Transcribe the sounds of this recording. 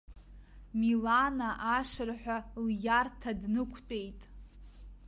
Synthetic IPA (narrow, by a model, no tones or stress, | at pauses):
milanaʔaʂɨrħʷᶣaljartʰadnɨkʷʰt͡pʼejtʼ